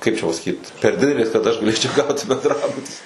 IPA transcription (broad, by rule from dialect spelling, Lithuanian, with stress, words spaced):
ˈkɐɪp t͡ʃʲɛ pɐsɐˈkʲiːt pʲɛr ˈdʲɪdʲɛlʲeːs kɐt ˈɐʃ ɡɐˈlʲeːt͡ʃʲɛʊ ˈɡɐʊtʲɪ bʲɛndˈrɑːbʊtʲɪ